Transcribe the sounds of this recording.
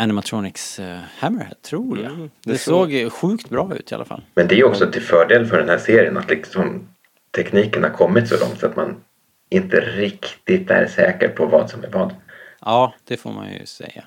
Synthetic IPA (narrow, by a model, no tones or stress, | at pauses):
ænɪmat̪ʰɾɔnɪkshæməɾhɛ̰d̪̚t̪ʰɾuːɾjad̪ɛsoːɡɧʉ̟ːkt̪bɾɑːʉ̟ːt̪ʰɪa̰lafa̰lːmɛnd̪ɛæɾjɵɔkssɔt̪ʰɪlfœːɖeːlənfœɖɛnhæːʂeːɾɪənat̪lɪksɔm | t̪ʰɛkniːkənhaɾkʰɔmːɪt̪sɔlɔ̰ŋt̪sat̪ma̰n | ʔɪnt̪əɾɪkt̪ɪt̪æ̰ɾʂɛːkə̰ɾpʰɔvɑ̰ːd̪sɔmæɾvɑːd̪ɑːd̪̥ɛfo̰ːɾma̰njɵ̰sɛ̰jːa